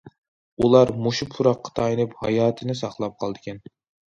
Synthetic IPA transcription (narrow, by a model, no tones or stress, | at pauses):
ulˠɑɾmuʃupʰuɾɑqːɑ̥t̪ʰɑjinɨphɑjɑːt̪ʰɨnɪsɑχlˠɑp̚qʰɑlˠd̪ɪkʲɛn